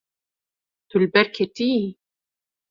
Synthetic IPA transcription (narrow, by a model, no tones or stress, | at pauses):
t̪ulbɛɾkʰet̪i